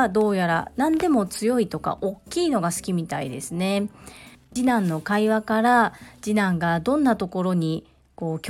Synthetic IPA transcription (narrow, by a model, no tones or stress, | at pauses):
d̪o̞ːjaɾa̰nãnd̪e̞mo̞t͡sɨjo̞it̪o̞ka̰ʔo̞kʲːiːno̞ɡasɨ̥kʲimʲit̪aḭd̪e̞̰sɨne̞ | d͡ʑinãnːo̞kaiβakaɾad͡ʑinãŋɡad̪õ̞nːat̪o̞ko̞ɾo̞ɲ̟i | ko̞ːkʲ